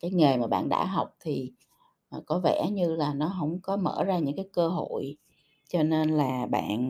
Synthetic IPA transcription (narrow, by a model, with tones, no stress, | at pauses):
kaː˨˦jŋe˨˩jmaː˨˩ɓa̰ː˧˨nɗa̰ː˧˥ɦa˨˩wk͡p̚t̪ʰi˨˩˨ | kɔ˨˦vɛ̰˧˥ɲɨ˧laː˨˩nɔ˨˦ɦə̰˧˥wŋ͡mkɔ˨˦mə̰ː˧˩zaː˧ɲɨ̰˧˥ŋkaː˨˦jkəː˧ɦo̰˧˨j | t͡ɕɔ˧ne˧nlaː˨˩ɓa̰ː˧˨n